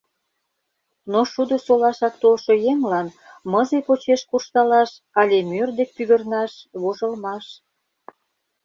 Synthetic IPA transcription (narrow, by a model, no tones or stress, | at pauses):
noʃud̪osolɑʃɑk̚t̪olʃojeŋlɑn | məzepot͡ɕeʃkurʃt̪ɑlɑʃ | ɑlʲemørd̪ek̚pyɣə̆rnɑʃβoʒəlmɑʃ